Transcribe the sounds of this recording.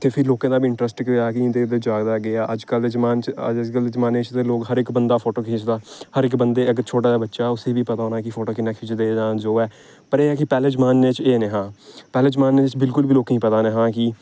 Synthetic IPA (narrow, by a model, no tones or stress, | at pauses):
t̪ʰeːpʰɪɾloːkãːd̪aːbiːɪɳʈɾəsʈkaːkɪ̃d̪eːd̪eːd͡ʒaːɡd̪aːɡɪaːʔəd͡ʒkəld̪ed͡ʒmaːnt͡ʃə̰d͡ʒəd͡ʒkəld̪ed͡ʒəmaːnːeːt͡ʃt̪eːloːkɦəɾɪkbənd̪aːpʰoːʈoːkʰeːt͡ʃd̪aːhəɾɪkbənd̪eːəɡəɾt͡ʃʰoːʈaːd̪aːbətːʃaːʊseːbiːpət̪aːoːnaːkɪpʰoːʈoːkɪnãːkʰɪːt͡ʃd̪eːd͡ʒaːd͡ʒoːɛː | pəɾeːɛːkɪpɛːleːd͡ʒəmaːnːeːt͡ʃeːneːɦãːpɛːleːd͡ʒmaːnːeːt͡ʃbɪlkʊlbiːloːkːĩːpət̪aːneːɦãːkɪ